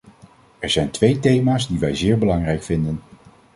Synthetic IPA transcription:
ɛɹz̥ɛjntʋejtejmaːzdiʋɛjzɪːɹbəlɑŋrɛjkfɪndən

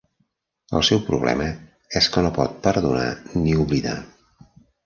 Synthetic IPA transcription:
ə̰lˠsɛwpɾuβlɛ̰mə | ɛskənopɔt̪̚pəɾðuna̰niuβliða̰

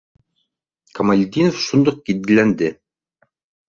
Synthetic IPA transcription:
kɐmalʲd̪ʲinofʃund̪oq̚kit̪̚ɡɘ̆lænd̪ɘ

